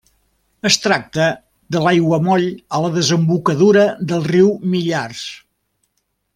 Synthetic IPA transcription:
əst̪ɾak̚t̪ə | ðəlajɣwəmɔʎələðəzəmbukəðuɾəðəlˠriwmiʎars

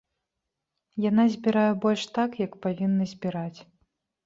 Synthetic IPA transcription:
janazʲbʲiɾajɛbɔlʲʂt̪akjɐkpavʲinːɐzʲbʲiɾat͡sʲ

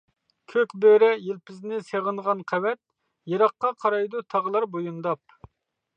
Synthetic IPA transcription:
kʲʰøkʲbøɾɛjelpʰɪznɪseʁənʁɑnqʰæwɛt̪̚ | jeɾɑqːɑqʰɑɾɑjd̪ut̪ʰɑʁəlˠɑɾbojund̪ɑp̚

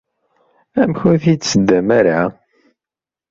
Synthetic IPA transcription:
æmçʊɾθit̪səd̪ːæmæɾʕa

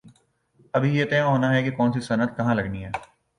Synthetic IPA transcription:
ɐbʱijet̪ẽːãɦoːnaɦɛkekɔːnsisɐnəd̪̚kɐɦãlɐɡniɦɛː

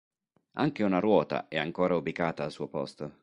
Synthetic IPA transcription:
aŋk̟eunaɾwɔːt̪a̰ʔɛaŋkoːɾaubikaːt̪aːlsuːopɔ̰st̪o

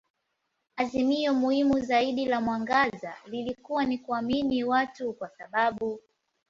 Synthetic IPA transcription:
azimiɔmuhimuzaiɗilamwaŋɡaza̰lilikuwanikuaminiwatukwasaɓaɓu

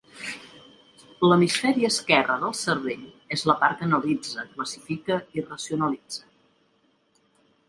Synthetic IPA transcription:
ləmisfɛɾiəːskɛrəðəlˠsərβeʎ | ezləpaɾkənəlid͡zəkləsifikəirəsiunəlid͡zə

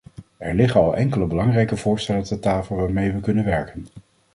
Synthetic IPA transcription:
ɛɹlɪχənɑlˠʔɛŋkələbəlɑŋrɛjkəvʊːɹstɛlətətaːfəlˠʋaːɹmejʋəkɵnənʋɛɹkən

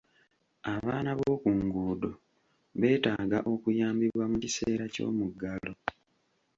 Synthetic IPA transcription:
aβaːnaβoːkuːŋɡuːdo̞ | βe̞ːtaːɡaʔo̞kujaːmbiβwamucise̞ːɾaco̞̰ːmuɡːalo̞

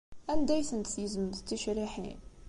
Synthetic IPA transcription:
ʔænd̪æjθənt̪θjəzməd̪t̪ːəʃɾiħḭn

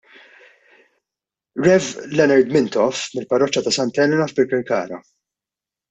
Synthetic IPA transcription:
ɾɛvlɛnɐɾd̪mɪnt̪ɔfmɪlpɐrɔt͡ʃːɐt̪ɐsɐnt̪ɛlɛnɐfpɪkɛɾkɐ̰ːɾɐ̰

